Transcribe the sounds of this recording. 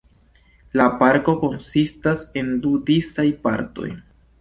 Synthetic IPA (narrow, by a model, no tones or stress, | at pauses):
lapaɾko̞ko̞nsistase̞ndudisajpa̰ɾto̞̰j